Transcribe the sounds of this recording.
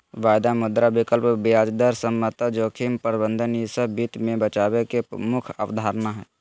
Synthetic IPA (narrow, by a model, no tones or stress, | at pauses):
ʋaːjd̪amʊd̪ɾabɪkəlpbɪjaːd͡ʒd̪əɾsəmːət̪ad͡ʒoːkʰimpəɾbə̃nd̪ʱənjisəbːiːt̪mẽbət͡ʃaːwekemʊkʰə̰wd̪ʱaːɾnaɦɛː